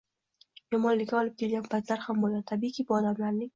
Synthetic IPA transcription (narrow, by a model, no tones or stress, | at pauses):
jɒmɒnlɪkʲːaɒlɪp̚kʲʰe̞lɡʲanpʰat̪laɾhambolat̪ʰabikʲʰibʊɒd̪amlaɾnɪŋ